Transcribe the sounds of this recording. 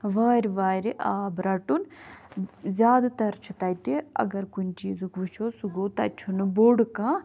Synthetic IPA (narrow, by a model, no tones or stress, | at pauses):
ʋaːɾiʋaːɾiʔaːbɾɐʈun | zʲjaːd̪t̪ɐɾt͡ʃʰit̪ɐːjt̪eɐ̰ɡɐɾkunt͡ʃiːzukʋiʃoːsuɡoːt̪ɐt͡ʃʰːunboɽkãː